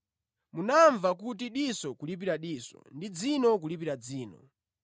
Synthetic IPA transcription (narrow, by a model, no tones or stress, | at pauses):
munaɱvakut̬iɗisɔkulip̬iɾaɗiːsɔ̰ndid͡zinɔkulipiɾad͡ziːnɔ̰